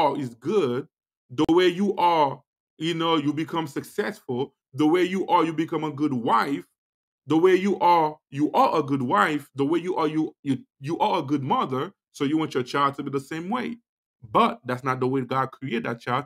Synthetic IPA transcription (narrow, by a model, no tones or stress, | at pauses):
ɪzɡʊd̚ | ðəweɪjuʔə˞ | jɨnoʊjɨbikʰʌ̃msɨksɛsfʊl̩ˠ | ðəweɪjɨʔəjɨbikʰʌ̃məɡʊd̚waɪf | ðəweɪjuʔə˞juʔə˞ʔəɡʊd̚waɪfðəweɪjɨʔəjujɨjɨʔə˞əɡʊd̚mʌðə˞ | soʊjɨwɑ̃nt͡ʃət͡ʃʰaɪlˠd̚tʰɨbiðəsẽɪ̃mweɪ | bʌt̚ðætsnət̪̚ðəweɪɡɑd̚kʰɹ̥ieɪt̪̚ðæt̚t͡ʃʰaɪlˠd̥̚